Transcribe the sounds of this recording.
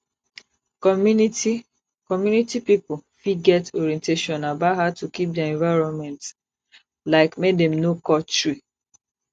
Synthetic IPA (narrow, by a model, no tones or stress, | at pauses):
kɔmuniti | kɔmjunitipipofiɡɛtɔɹiɛ̃nteʃɔ̃nabathatukip̚dɛɛ̃ɱvaɪɹɔ̃nmɛ̃nt | laɪkmedɛ̃mnokɔt͡ʃɹi